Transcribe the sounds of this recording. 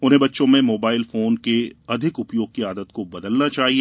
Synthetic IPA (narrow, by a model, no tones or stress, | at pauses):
ʊnɦẽbɐtːʃõmẽmoːbaːɪlfoːnkeɐd̪ʱɪkʊpjoːɡ̚kiaːd̪ət̪kobɐd̪əlnat͡ʃaːɦieː